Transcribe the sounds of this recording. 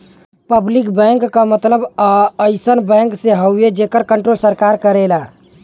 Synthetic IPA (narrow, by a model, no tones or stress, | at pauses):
pəblikbɛ̃ŋkːamət̪ləbəjsənbɛ̃ŋkseɦəwed͡ʒekəɾkəɳʈɾolsəɾkaɾkəɾɛla